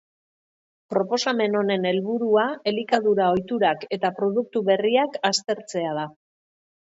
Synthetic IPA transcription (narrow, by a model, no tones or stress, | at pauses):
pɾo̞po̞same̞no̞ne̞ne̞lβuɾuae̞likaðuɾao̞jt̪uɾake̞t̪apɾo̞ðuk̚t̪uβe̞riakast̪e̞ɾt͡se̞að̞a